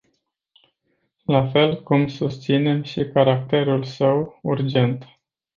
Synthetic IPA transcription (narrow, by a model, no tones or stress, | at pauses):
lafe̞lkumsust̪sine̞mʃikaɾakt̪e̞ɾulsəwurd͡ʒe̞nt̪